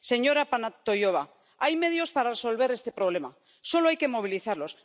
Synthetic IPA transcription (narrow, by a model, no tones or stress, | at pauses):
se̞ɲo̞ɾapanat̪o̞jo̞β̞a | ajme̞ð̞jo̞spaɾareso̞lβe̞ɾe̞st̪e̞pɾo̞β̞le̞ma | so̞loajke̞mo̞βiliθaɾlo̞s